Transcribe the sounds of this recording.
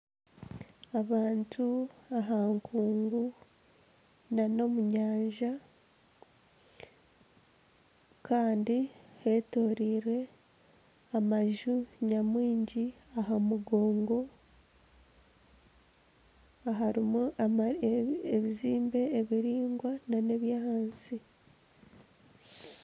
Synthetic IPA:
aβaːntʰuaɦaŋkʰuːŋɡu | nano̞muɲaːɲʒa | kaːndiheto̞ːɾiːɾe̞ | amaʒuɲamwiːɲɟi | aɦamuɡo̞ːŋɡo̞ | aɦaɾimuaaeβiziːmbe̞ːβiɾiːŋɡwanane̞βjaːhaːnsi

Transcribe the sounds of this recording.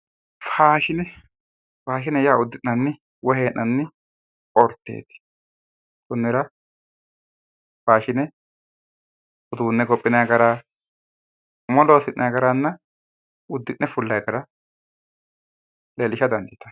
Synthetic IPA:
faːʃɪnɛ | faːʃ̬ɪnɛjaːʊd̪ːɪnːɐnːɪ | wɔheːʔːɐnːɪ | ɔɾt̪ːḛːt̪ːɪ̥ | kʊnːɛɾɐ | faːʃɪnɛ | ʊd̪uːnːɛɡɔpʼːɪnɐjɡɐɾaː | mɔloːsɪnʔɐjɡɐɾanːɐ | ʊd̪ːɪnːɛfʊlːɐjɡɐɾɐ | leːlɪʃɐd̪ɐnd̪ɪt̪ɐ̥

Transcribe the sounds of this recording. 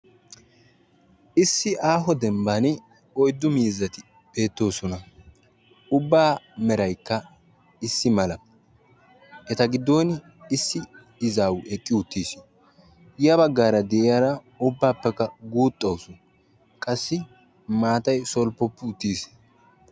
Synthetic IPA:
ʔɪsːɪʔaːɦɔd̪ɛmbɐnɪ | ɔjd̪ːʊmiːzɐt̪ɪ | b̥e̞ːt̪ːo̞ːsɔnɐ | ʊbːaːmɛɾɐjkːɐ | ɪsːɪmɐlɐ | ʔɛt̪ɐɡɪd̪ːo̞ːn | ɪsːɪ | ɪzaːwʔɛkʼːɪʊt̪ːiːs | ɪjɐbɐɡːaːɾɐd̪ɛʔɪjaɾɐ | ʊbːaːpːɛkːɐɡuːt̪ʼːɐwsɔ | kʼɐsːɪ | maːt̪ɐjsɔlpːɔpːɪʊt̪ːiːs

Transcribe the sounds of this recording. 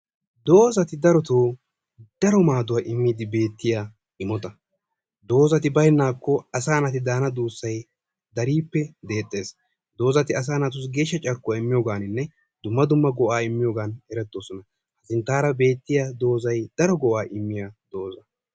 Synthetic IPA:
d̪o̞ːzɐt̪ɪd̪ɐɾɔt̪oː | d̪̥ɐɾɔmaːd̪ʊwaːʔɪmːiːd̪ɪbe̞ːt̪ːɪjaː | ɪmɔt̪ɐ | d̪o̞ːzɐt̪ɪbɐjnːaːkːɔɐsaːnɐt̪ɪd̪aːnɐd̪uːsːɐj | d̪ɐɾiːpːɛd̪e̞ːt̪ʼːe̞ːs | d̪o̞ːzɐt̪ɪɐs̬aːnɐt̪ʊs̬ɡe̞ːʃːɐt͡ʃʼɐɾkːʊwaːɪmːɪjoːɡaːnɪnːɛ | d̪̥ʊmːɐd̪ʊmːɐɡɔʔaːɪmːɪjoːɡaːnɛɾɛt̪ːo̞ːsɔnɐ | hɐsɪnt̪aːɾɐbe̞ːt̪ːɪjaːd̪o̞ːzɐjd̪̥ɐɾɔɡɔʔaːʔɪmːɪjaːd̪oːzɐ

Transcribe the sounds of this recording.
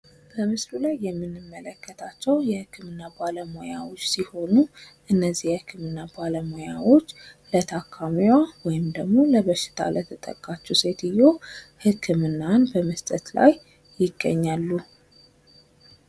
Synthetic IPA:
bəmɨsɾulajːɛmːɨnːɨmːələkːət̪ʰat͡ʃːɛwjɛhɨkːɨmɨnːabaləmo̞jawo̞t͡ʃːsiho̞nu | ʔɨnːəzːihjɛhɨkʰːɨmɨnːabaləmo̞jawo̞t͡ʃːlət̪ʰakʰːamijwawɔjɪmd̪əɡmo̞ləβəʃːɪ̥t̪ʰa̰lət̪ʰət̪ʼə̰kʼːat͡ʃːuse̞t̪ɨjːohɨkʰːɨmɨnːanbəməst̪ʼət̪la̰j | jɪɡːə̰ɲːalːu

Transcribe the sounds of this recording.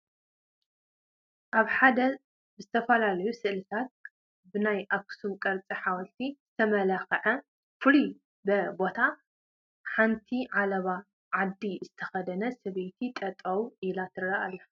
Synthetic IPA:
ʔaβħad̪ɐ | bɨzɨt̪ʰɐfɐlalɐjusɨʔlɨt̪ʰat̪̚ | bɨnajʔaksumkʼɐɾt͡sʼiħawɐlt̪ʰizɨt̪ʰɐmɐlaxɐʕɐ | fɨli | bɐbo̞t̪ʰa | ħant̪ʰiʕalɐβa | ʕad̪ːizɨt̪ʰɐxɐd̪ɐnɐsɐβejt̪ʰit̪ʼɐt̪ʼɐwʔilat̪ʰɨɾɐʔalːɐ

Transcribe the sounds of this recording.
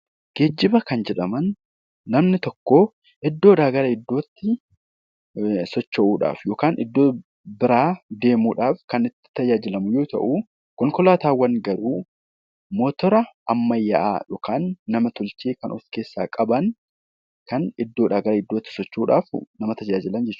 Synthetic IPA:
ɡ̥eːd͡ʒːɪbɐkɐnd͡ʒɛᶑɐmɐnː | ɐmnɪt̪ɔkːoː | ʔɪd̪ːo̞ːᶑaːɡɐɾɐɪd̪ːo̞ːt̪ːɪ | sɔt͡ʃːɐʔuːᶑa̰ːfjo̞ːkaːnʔɪd̪ːoː | bɪɾaːd̪e̞ːmuːᶑaːfkɐnɪt̪ːɪ̥t̪ːɐjaːd͡ʒɪlɐmʊjoːt̪ɐ̰ʔu | kɔŋkɔlaːt̪aːwɐŋɡɐɾuː | moːt̪ɔɾɐɐmːɐjːaʔa̰ːjoːkaːnːɐmɐt̪ʊlt͡ʃeːkɐnʔɔske̞ːsːa̰ːkʼɐbɐn | kɐnɪd̪ːoːᶑ̪aːɡɐɾɐɪd̪ːoːt̪ːɪ̥sɔt͡ʃːuːᶑa̰ːfnɐmɐt̪ɐd͡ʒaːd͡ʒɪlɐnd͡ʒɛt͡ʃː

